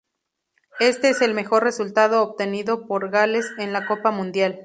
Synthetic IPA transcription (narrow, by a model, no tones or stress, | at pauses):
e̞st̪e̞ese̞lme̞xo̞rre̞sult̪að̞o̞ːpt̪e̞niðo̞poɾɣale̞se̞nlako̞pamũnd̪jal